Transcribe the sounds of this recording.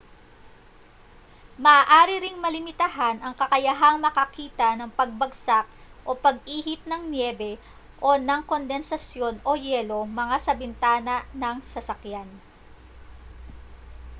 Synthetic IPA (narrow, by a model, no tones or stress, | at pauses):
mɐʔaːʔaːɾɪɾɪŋmɐlɪmɪt̪ɐɦanʔɐŋkɐkɐjɐɦaŋmɐkɐkiːt̪ɐnɐŋpɐɡ̚bɐɡsak̚ʔo̞pɐɡ̚ʔiːhɪp̚nɐŋnjɛːbɛ | ʔo̞nɐŋko̞nd̪ɛnsɐsjo̞no̞jɛːlo̞mɐŋasɐbɪnt̪aːnɐnɐŋsɐsɐkjan